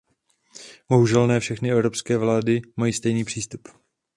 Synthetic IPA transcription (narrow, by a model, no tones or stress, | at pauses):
bo̞ɦuʒɛlnɛːfʃɛxnɪɛvɾo̞pskɛːvlaːdɪmajiːst̪ɛjniːpr̝̥iːst̪up